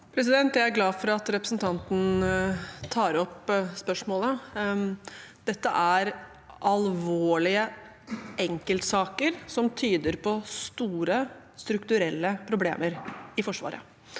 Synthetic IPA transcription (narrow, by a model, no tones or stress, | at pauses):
pʰɾɛs̬ɪd̪ɛnt̪jæɪæɾɡlɑːfɔɾɑt̪ɾɛpɾəsn̩t̪ʰɑnt̪n̩ | t̪ʰɑːɾɔpspœʂmoːlə | d̪̥ɛt̪ːəʔæɾ | ʔɑlʋoːɭɪə | ʔɛŋkəlt̪sɑːkəɾsɔmt̪ʰyːd̪əɾpʰɔst̪uːɾə | st̪ɾʉkt̪ʉɾɛlːəpʰɾʊblḛːməɾɪfɔʂʋɑ̰ːɾə̰